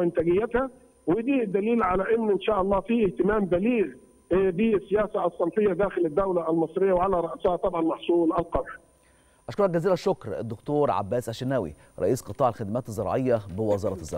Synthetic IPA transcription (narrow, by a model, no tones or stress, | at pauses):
ʔɪnt̪æɡɪjːæt̪hæ | wɪd̪iːd̪ːæliːlʕalæʔɪnːʔɪnʃæːʔɑlˤːɑːfiːʔɪht̪ɪmæːmbæliːɣ | bisːɪjæːsæɑsˤːɑmfɪjːæd̪æːxɪlɪd̪ːæwlæʔælmɑsˤɾɪjːæwʕalæɾˤɑʔshæt̪ˤɑbʕɑlmɑħsˤuːlʔælqɑnˤħ | ʔɑʃkoɾˤɑk̚ɡæziːlæʃʊkɾ̰d̪ːʊkt̪oːɾʕa̰bːæːsʕaʃɪnːæwḭ | ɾˤɑʔiːsqɨt̪ˤɑːʕɪlxæd̪mæːt̪ezːɑɾˤɑ̰ʕejːɑbɪwɑzɑːɾˤɑzˤːɑ̰